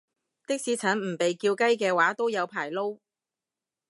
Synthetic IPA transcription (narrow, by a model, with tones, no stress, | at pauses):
t̪ɪ˥k̚siː˨˥t͡sʰɐ˨˥nm̩˨˩pe˨jkiː˧wkɐ˥jkɛː˧waː˨˥t̪o˥wjɐ˨˧wpʰaː˨˩jlo˥w